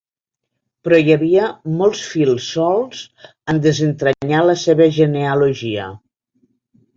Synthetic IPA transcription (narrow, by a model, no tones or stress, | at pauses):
pɾɔjəβiəmɔlˠsfilˠsːɔlˠz̥ | ənd̪əzənt̪ɾəɲaləseβəʒəneoloʒiə̰